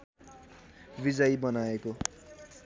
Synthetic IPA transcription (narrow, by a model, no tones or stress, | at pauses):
bid͡zʌjbʌnaeko